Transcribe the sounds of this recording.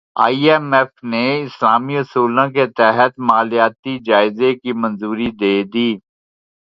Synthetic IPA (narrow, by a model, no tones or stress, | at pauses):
aːiːɛmɛfneɪslaːmiɾɐsuːlãk̬et̪ɛɦət̪maːlijaːt̪id͡ʒaːɪzekimɐ̃nzuːɾid̪eːd̪iː